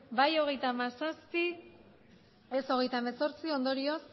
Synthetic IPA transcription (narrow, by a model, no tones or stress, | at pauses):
bajo̞ɣ̞e̞jt̪amasaspi | eso̞ɣ̞e̞jt̪aemeso̞ɾt͡sio̞nd̪o̞ɾio̞s